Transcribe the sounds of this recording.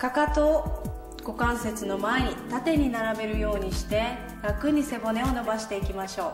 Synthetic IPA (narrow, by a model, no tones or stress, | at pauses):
kakat̪o | ɡ̥o̞kãɰ̃se̞t͡sɨno̞mae̞ɲ̟it̪at̪e̞ɲ̟inaɾabe̞ɾɯ̟jo̞ːɲ̟iɕi̥t̪e̞ | ɾakɯ̟ɲ̟ise̞bo̞ne̞o̞no̞baɕi̥t̪e̞ikʲimaɕo̞ː